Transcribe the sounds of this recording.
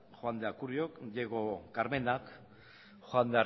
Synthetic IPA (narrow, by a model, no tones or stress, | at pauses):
xoand̪eakuɾiokʎeɣokaɾme̞nak | xoand̪ea